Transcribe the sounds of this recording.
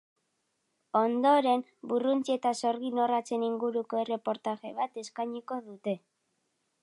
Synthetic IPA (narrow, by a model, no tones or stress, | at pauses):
o̞nd̪o̞ɾe̞mburunt͡siet̪aso̞ɾɣ̞ino̞rat͡se̞niŋɡuɾuko̞e̞re̞po̞ɾt̪aʝe̞̰β̞at̪e̞skajɲuko̞ðut̪e̞